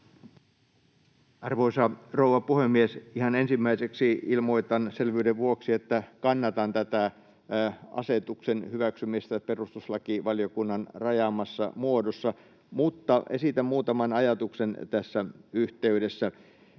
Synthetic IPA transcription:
ɑrʋoisɑrouʋɑpuhemːiesihɑnensimːæiseksiilmoit̪ɑnselʋyːdeʋʋuoksiet̪ːækɑnːɑt̪ɑnt̪æt̪æ | ʔɑ̰set̪uksenhyʋæksymist̪æperust̪uslɑkiʋɑlijokunːɑnrɑjɑmɑsːɑ̰muodosːɑ | mut̪ːɑʔesit̪æmmuːt̪ɑmɑnɑjɑt̪uksent̪æsːæyht̪eydesːæ

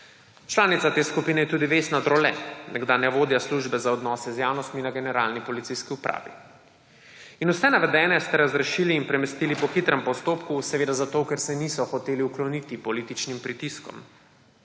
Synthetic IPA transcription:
t͡ʃlaːnit̪sat̪eːskupiːnɛjɛt̪uːd̪iʋeːst̪nad̪ɾɔlɛnɛɡd̪anɛʋoːd̪jasluʒbɛzaɔd̪nɔːsɛzjaːwnɔst̪minaɡɛnɛɾaːlnipɔlit̪siskiupɾʔa̰ːʋḭ | inusɛnaʋɛd̪ɛːnɛst̪ɛɾazɾɛʃiːliːnpɾɛmɛst̪ilipɔxit̪ɾɛmpɔst̪oːpkusɛʋeːd̪azat̪okɛɾsɛnisɔxɔt̪eːliuklɔniːt̪ipɔliːt̪it͡ʃnimpɾit̪iskɔ̰m

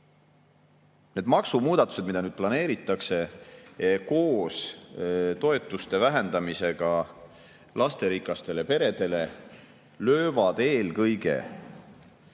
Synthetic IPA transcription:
ne̞d̪mɑksumuːd̪̥ɑt̪ːˑu̥se̞d̪mid̪ɑnyːd̪̥plɑne̞ːɾit̪ːˑɑkse̞ | ko̞ːs | t̪o̞e̞t̪ːˑust̪e̞væɦe̞nd̪̥ɑmise̞ɡ̥ɑ | lʔɑst̪e̞ɾikˑːɑst̪e̞le̞pe̞ɾe̞d̪̥e̞le̞ | lø̞ːvɑd̪̥e̞ːlkɤjɡe̞̰

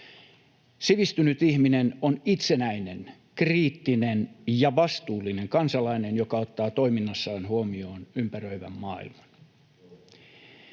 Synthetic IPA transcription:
siʋist̪ynyt̪ihminenonit̪se̞næinḛn | kriːt̪ːinenjɑʋɑst̪uːlːine̞ŋkɑnsɑlɑine̞njokɑot̪ːɑːt̪o̞iminːɑsːɑːnhuomio̞ːnympærø̞iʋæ̰mːɑːḭlmɑn

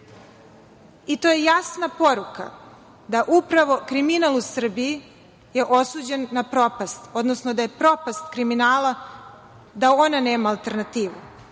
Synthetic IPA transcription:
it̪oje̞jasnapo̞ɾuka̰ | d̪aʔupɾaʋo̞kɾiminalˠusr̩biji | je̞ʔo̞suːd͡ʑe̞nːapɾo̞past̪o̞d̪nosnod̪aje̞pɾo̞past̪kɾiminaːla | d̪ao̞nane̞ːmaːlˠt̪e̞ɾnat̪iːʋṵ

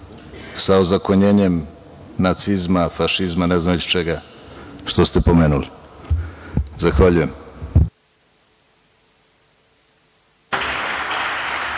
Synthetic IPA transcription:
saozako̞ɲe̞ːɲe̞m | nat̪sizmafaʃizmaneznaot͡ɕt͡ʃeɡaʃt̪o̞st̪e̞po̞me̞ːnuli | zaxʋaʎuje̞m

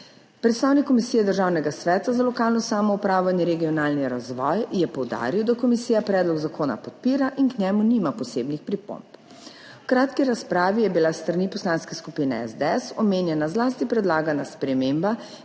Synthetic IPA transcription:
pɾɛt̪st̪aːwnikːɔmisijɛd̪əɾʒaːwnɛɡasʋɛːt̪azalɔkaːlnɔsaːmɔupɾaːwlanjɛɾɛɡijɔnaːlniɾazʋɔjjɛpɔwd̪a̰ːɾiwd̪akɔmisijapɾɛːd̪lɔɡzakʰoːna̰pɔt̪̚piːɾaʔinknjɛmuniːmapɔseːbnixpɾipo̰mp | wkɾaːt̪kiɾaspɾaːʋijɛbilast̪ɾanipɔslanskɛskupinɛɛ̰zd̪ɛɛsɔmeːnjɛnazlaːst̪ipɾɛd̪laːɡanaspɾɛmeːmba

